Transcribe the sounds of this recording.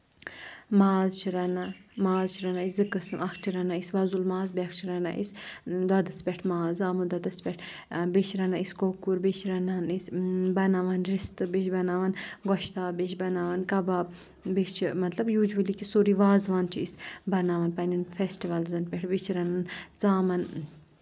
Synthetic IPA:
maːzt͡ʃʰiɾɐnamaːzt͡ʃʰiɾɐnaiszɨkɨsɨmɐkʰʈʰiɾɐnaisʋɐzulmaːzbɛkʰʈʰiɾɐna̰ʔḭsd̪ɐd̪ɐsbʲɛʈʰmaːzaːmud̪ɐd̪ɐsbʲɛʈʰbet͡ʃʰɾɐnaiskokuɾbet͡ʃʰɾɐnaːnisbɐnaʋɐnɾist̪ɨbet͡ʃʰbɐnaːʋanɡɔʃt̪aːbet͡ʃʰbɐnaːʋɐnkɐbaːb | bit͡ʃʰimɐt̪lɐbjuːd͡ʒʋɐlikisoːɾiʋaːzʋant͡ʃʰiisbɐnaʋɐnpɐninfesʈiʋɐlzɐnt̪̚bʲɛʈʰbit͡ʃʰiɾɐnant͡saːmɐn

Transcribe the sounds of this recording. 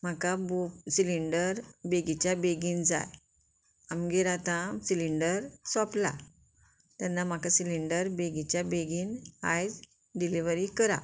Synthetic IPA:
m̤akabusiliɳɖəɾbeɡit͡ɕjabeɡiːnd͡za̰j | amɡeɾat̪ãsiliɳɖəɾsɔ̃pla̰ | t̪anːam̤akasiliɳɖəɾbeɡit͡ɕjabeɡiːnha̰jd͡z | ɖiliʋɾikəɾa̰

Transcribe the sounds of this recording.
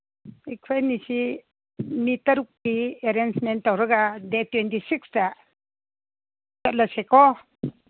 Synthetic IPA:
ikʰajnisi | nitɐɾuk̚ːieɾensmentːawɾɐɡadetwentisiksta | sat̚lasekɔ

